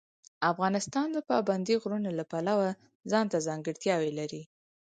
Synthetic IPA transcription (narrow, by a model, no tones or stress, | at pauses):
afɣɑnɪst̪ɑnd̪əpɑband̪iɣɾunolapalawa | zɑnt̪azɑŋɡəɽt̪jɑwelaɾi